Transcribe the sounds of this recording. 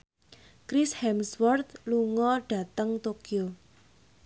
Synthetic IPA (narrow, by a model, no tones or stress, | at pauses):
kɾɪshɛmswɔrt̪luŋɔɖ̥a̤t̪əŋt̪okio